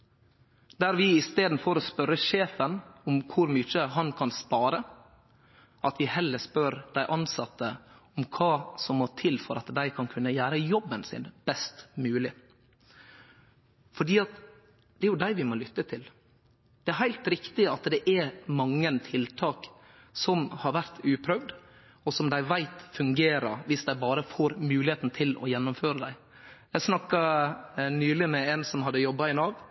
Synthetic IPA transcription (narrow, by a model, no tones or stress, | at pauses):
d̪̥æɾʋɪɪst̪eːd̪n̩fɔɾɔspœɾəʂeːfənɔmkʰʊɾmyːt͡ʃəɦɑnkʰɑnspɑːɾə | ʔɑt̪ʋɪhɛlːəspœɾd̪æɪʔɑnsɑt̪ːə | ɔmkʰɑːsɔmːɔt̪ʰɪlfɔɾɑt̪d̪æɪkʰɑnkʰʉnːəjæːɾəjɔbːənsɪ̰nb̥ɛst̪mʉːlɪ | fɔɖiːɑt̪ | d̪ɛæɾjʊd̪æɪʋɪmoːlʏt̪ːət̪ʰɪl | d̪̥ɛæɾɦæɪlt̪ɾɪkt̪ɪɑt̪d̪ɛʔɛɾmɑŋːənt̪ʰɪlt̪ʰɑːk | sɔmhɑɾʋæɾt̪ʉːpʰɾœʋd̪ | ɔsɔmd̪æɪʋæɪt̪fʉŋɡeːɾəʋɪsd̪æɪbɑːɾəfoːɾmʉːlɪheːt̪n̩t̪ʰɪlɔ̰jɛnːʊmføːɾəd̪æɪ | jæɪsnɑkːɑ | nyːlɪmɛensɔmhɑd̪ːəjɔbːɑɪnɑʋ